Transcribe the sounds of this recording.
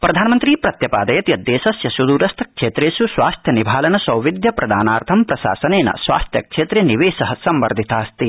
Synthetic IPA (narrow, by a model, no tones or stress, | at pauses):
pɾɐd̪ʱaːnɐmɐnt̪ɾiːpɾɐt̪jɐpaːd̪ɐjɐt̪jɐd̪ːeːsɐsjɐsud̪uːɾɐst̪ʰɐ̥kʂeːt̪ɾeːsusʋaːst̪ʰjɐnibʱaːlɐnɐsɐwʋid̪ʱjɐpɾɐd̪aːnaːɾt̪ʰɐmpɾɐsa̰ːsɐneːnɐ̰sʋa̰ːst̪ʰjɐ̰kʂeːt̪ɾeniʋeːsɐɦɐsɐmʋɐɾd̪ʱit̪aːst̪i